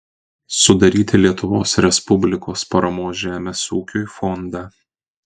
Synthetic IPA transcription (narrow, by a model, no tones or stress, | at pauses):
sʊd̪ɐɾʲiːt̪ʲɪlʲiɛt̪ʊʋoːsɾʲɛspʊbʲlʲɪkoːspɐɾɐmoːsʒʲæːmʲesuːkʲoːɪfɔnd̪ɑː